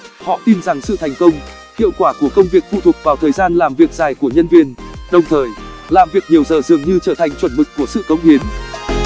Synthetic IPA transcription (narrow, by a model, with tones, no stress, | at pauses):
hɔ̰˧˨t̪i˧nza˨˩ŋsɨ̰˧˨t̪ʰa˨˩jŋ̟kə˧wŋ͡m | kḭ˧˨əwkwaː˧˩ku˧˩əkə˧wŋ͡mvi˨˩ək̚t̪ṵ˧˩t̪ʰʊ˨˩k͡p̚vaː˨˩wt̪ʰəː˨˩jzaː˧nlaː˨˩mvi˨˩ək̚zaː˨˩jku˧˩əɲə˧nvi˧ənɗə˨˩wŋ͡mt̪ʰəː˨˩jlaː˨˩mvi˨˩ək̚ɲi˨˩əwzəː˨˩zɨ̰˨˩əŋɲɨ˧t͡ɕəː˧˩t̪ʰa˨˩jŋ̟t͡ɕwə˧˩nmɨ˨˩k̟ku˧˩əsɨ̰˧˨kə˨˦wŋ͡mhi˨˦ən